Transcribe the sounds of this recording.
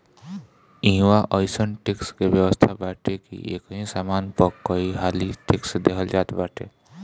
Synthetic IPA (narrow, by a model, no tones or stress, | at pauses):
ĩɦwaʔəɪsənʈɪkskebjəwəst̪ʰabaːʈekḭʔḛːkɦĩsaːmaːnpəɾkəiɦaːliʈɪksd̪ekʰəld͡ʒaːt̪baːʈḛː